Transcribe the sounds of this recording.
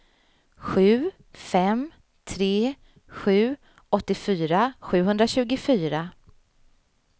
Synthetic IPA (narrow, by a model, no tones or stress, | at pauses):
ɧʉ̟ː | fɛm | t̪ʰɾeː | ɧʉ̟ː | ɔt̪ːɪfyːɾaɧʉ̟ːɦɵnd̪ɾaɕʉ̟ːɡʊfyːɾa